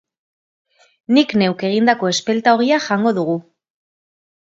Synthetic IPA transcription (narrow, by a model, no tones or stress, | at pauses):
nikne̞wke̞ɣ̞ind̪ako̞e̞spe̞lt̪aoɣiaʝaŋɡo̞ðuɣu